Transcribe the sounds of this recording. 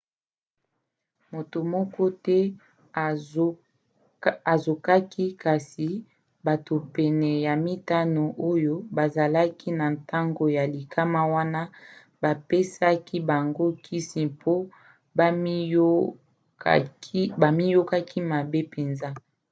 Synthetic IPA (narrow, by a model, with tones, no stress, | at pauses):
mo˨to˨mɔ˦kɔ˦tɛ˦ | a˨zo˨ka˦ki˦ka˨si˨ | ba˨to˨pɛ˨nɛ˨ja˨mi˦ta˦no˨ʔo˦jo˦ba˨za˨la˦kʰi˦na˨nta˦ŋɡo˨ja˨li˨ka˦ma˦wa˦na˦ | ba˨pe˦sa˦kʰi˦ba˨ŋɡo˦kʰi˦si˨pʰo˦ | ba˨mi˦jo˦ka˦ki˦ma˨be˦pe˨nza˦